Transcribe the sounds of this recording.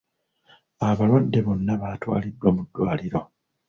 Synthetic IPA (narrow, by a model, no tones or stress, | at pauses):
aβalwandeβo̞nːaβatwa̰ːlidːwamudːwaːliɾo̞